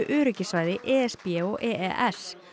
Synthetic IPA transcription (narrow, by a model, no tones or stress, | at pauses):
ʏʔʏːɾʏcɪsvaːjðɪʔɛːɛspiɛoʔɛːʔɛʔɛs